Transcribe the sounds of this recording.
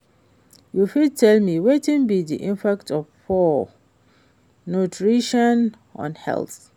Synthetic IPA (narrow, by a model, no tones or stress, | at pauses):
jufid̚tʰɛlmiwetĩnbidḭʔĩmpaktɔvfɔ | nutʰɹiʃɔ̃n | ɔ̰̃nhɛ̰lθ